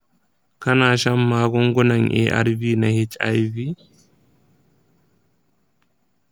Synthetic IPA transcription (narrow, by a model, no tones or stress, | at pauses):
kanaʃamːaːɡɔŋɡɔnaɲʔɛ̰ʔa̰ɾviːnahet͡ʃa̰jvi